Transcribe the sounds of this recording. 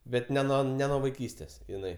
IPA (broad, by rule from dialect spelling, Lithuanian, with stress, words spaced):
ˈbʲɛt nʲɛ ˈnuɔ nʲɛ nuɔ ʋɐɪˈkʲiːsʲtʲeːs ɪˈnɐɪ